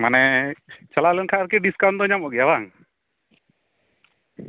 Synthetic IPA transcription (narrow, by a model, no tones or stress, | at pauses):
manɛt͡ʃalalɛnkʰaʔɾkɛɖiskawnd̪ɔɲamɔɡɛjabaŋ